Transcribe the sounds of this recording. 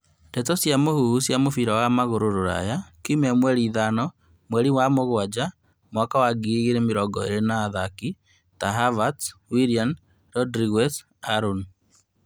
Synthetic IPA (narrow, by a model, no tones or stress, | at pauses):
ndɛtɔsjamohuhusjamofiɾawamaɣoɾoɾoɾa̰jakimɛmwɛɾiðanɔ | mwɛɾiwamoɣwad͡ʒa | mwakawaɡiɣiɾemeɾɔɡɔḛɾenaːðaki | taɦavatwiɾian | ɾɔdɾiɣɛs | aɾun